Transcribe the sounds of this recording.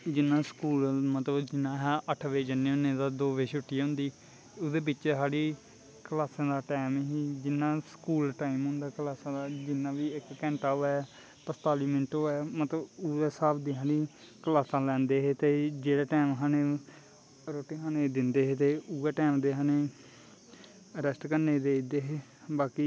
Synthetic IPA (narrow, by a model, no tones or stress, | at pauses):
d͡ʒɪnːãːskuːlmət̪ləbd͡ʒɪnːãːɦɛːʔəʈʰʋeːd͡ʒənːeʊnẽːd̪aːd̪oːʋeːʃʊʈːijãɦʊ̃nd̪iː | ʊd̪eːbɪt͡ʃːɦaːɽiː | kəlaːsãːd̪aːʈɛːmɦiːd͡ʒɪnːãːsəkuːlʈaːimɦʊ̃nd̪aːkəlaːsãːd̪aːd͡ʒɪnːãːʋiːɪkːɛ̃ːɳʈaːoɛː | pəst̪aːliːmɪɳʈoːɛːmət̪ləbuːeːsaːbd̪iːɦãːniː | kəlaːsãːlɛ̃ːnd̪eːɦeːt̪eːd͡ʒeːɽeːʈɛːmɦãːneː | ɾoːʈeːɦãːneːd̪ɪnd̪eːɦeːt̪eːuːeːʈɛːmd̪eːɦãːneː | əɾɛsʈkəɾneːd̪eːd̪eːɦeː | baːkiː